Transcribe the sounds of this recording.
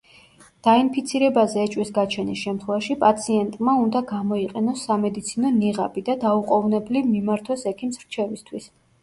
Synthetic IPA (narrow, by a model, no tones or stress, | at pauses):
d̪̥ainpʰit̪sʰiɾɛbazɛːt͡ʃʼwisɡat͡ʃʰɛnisʃɛmt̪ʰχwɛvaʃipʼat̪sʰiɛnt̪ʼmaund̪aɡamɔiqʼɛnɔsːamɛd̪it̪sʰinɔniʁa̰bid̪ad̪auqʼɔvnɛblimimaɾt̪ʰwɔsɛkʰimsɾt͡ʃʰɛvist̪ʰwis